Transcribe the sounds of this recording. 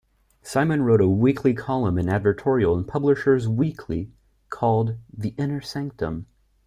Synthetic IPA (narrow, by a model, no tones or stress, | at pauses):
sãɪmɨ̃nɹoʊɾəwikʰlikʰɑlˠə̃mɨ̃nædvə˞tʰɔɹil̩ˠə̃npʰʌbləʃə˞zwikʰli | kʰɔlˠd̪̚ðiʔɪ̃nə˞sɪ̃ŋk̚tə̰̃m